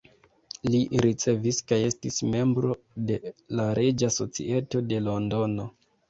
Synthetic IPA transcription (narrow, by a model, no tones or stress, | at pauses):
liɾit͡se̞viskaje̞stisme̞mbɾo̞ | de̞laɾed͡ʒaso̞t͡sḭe̞to̞de̞lo̞ndo̞no̞